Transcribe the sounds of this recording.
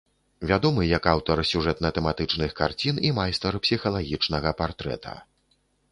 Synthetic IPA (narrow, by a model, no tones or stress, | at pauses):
vʲad̪ɔmɨjɐkawt̪ɐrsʲuʐɛt̪mɐt̪ɛmat̪ɨt͡ʂnɨxkart͡sʲinimajst̪ɐɾpsʲixɐlˠaɣʲit͡ʂnɐɣɐpart̪ɾɛ̰t̪ʰɐ̰